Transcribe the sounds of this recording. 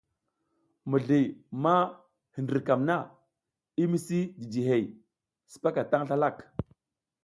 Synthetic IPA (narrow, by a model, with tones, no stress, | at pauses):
mə˨ɮi˨ma˦ | hi˨ndi˨ɾka˨mna˦˨ | i˦mi˦si˦di˨d͡ʒi˨ɦe˨j | si̥˨pa˦ka˨ta˦ŋɬa˦la˦˨k